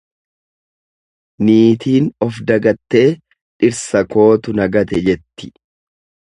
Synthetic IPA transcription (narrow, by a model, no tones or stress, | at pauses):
niːt̪iːnɔfd̪ɐɡɐt̪ːe̞ː | ᶑɪɾsɐko̞ːt̪ʊnɐɡɐt̪ɛd͡ʒɛt̪ːɪ̥